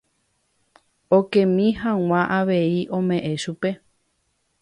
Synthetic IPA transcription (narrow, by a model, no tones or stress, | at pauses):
okẽmĩɦãŋ̃ãʔaʋe̞iʔõ̞mẽ̞ʔẽʃupe̞